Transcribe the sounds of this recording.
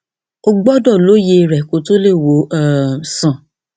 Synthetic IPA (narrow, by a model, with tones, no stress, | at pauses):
ɔ˦˧ɡ͡bɔ˦dɔ˦˨lo˨˦je˧ɾɛ˨ko˨˦to˦le˦˨wo˨˦a˦˨sã˨